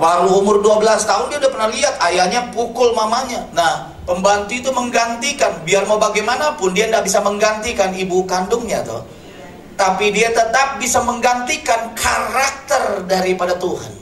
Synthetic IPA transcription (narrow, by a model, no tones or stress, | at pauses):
laluːmʊrduabəlast̪aʊndiaudapərnahliɦat̪ajalɲapukʊlmamaɲanah | pəmbant̪uːt̪uməŋɡant̪ikanbiarmaubaɡajmanapʊndiandaʔbisaməŋɡant̪ikanibukandʊŋɲat̪ʊ̰ | t̪apidiat̪ət̪ap̚bisaməŋɡant̪ikankʰaɾak̚t̪ərdaɾipadat̪uɦa̰n